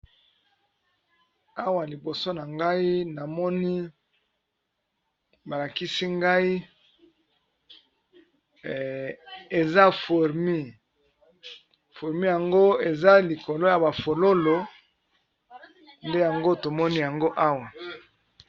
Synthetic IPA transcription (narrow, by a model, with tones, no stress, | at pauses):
a˦wa˨li˨bo˨so˦na˨ŋɡa˦i˦na˨mɔ˦ni˦ | ba˨la˨ki˦si˦ŋɡa˦i˦˨ | e˨za˦fu˨ʁmi˦ | fu˨ʁmi˦ja˨ŋɡo˦e˨za˦li˨ko˨lo˦ja˨ba˨fo˨lo˦lo˨ | nde˦ja˨ŋɡo˦to˨mɔ˦ni˦ja˨ŋɡo˦ʔa˦wa˨